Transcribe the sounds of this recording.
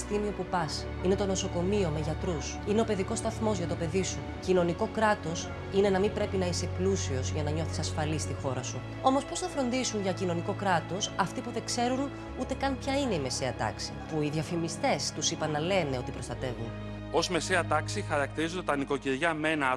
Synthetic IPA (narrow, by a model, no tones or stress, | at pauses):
st̪imio̞pupɐs | ine̞t̪o̞no̞so̞ko̞mio̞me̞ʝɐt̪ɾus | ine̞o̞pe̞ðiko̞st̪ɐθmo̞zʝɐt̪o̞pe̞ðisu | cino̞niko̞kɾɐt̪o̞s | ine̞nɐmimpɾe̞pinɐise̞plusio̞zʝɐnɐɲo̞θi̥sɐsfɐlist̪ixo̞ɾɐsu | o̞mospo̞sθɐfɾo̞nd̪isunʝɐcino̞niko̞kɾɐt̪o̞sɐft̪ipuðe̞kse̞ɾun | ut̪e̞kɐnpçɐine̞ime̞se̞ɐt̪ɐ̰ksi̥̰puiðiɐfimist̪e̞st̪usipɐnːɐle̞ne̞o̞t̪ipɾo̞st̪ɐt̪e̞vun | o̞zme̞seɐt̪ɐksixɐɾɐk̚t̪iɾizond̪et̪ɐniko̞ciɾʝɐmenɐ